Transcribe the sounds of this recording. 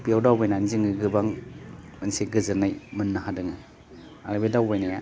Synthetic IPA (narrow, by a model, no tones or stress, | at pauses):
piawdawbajnanziŋɡɯɡɯbaŋmɯnseɡɯzɯɾnajmɯnːaɦadɯŋɯ | aɾbedawbajnaja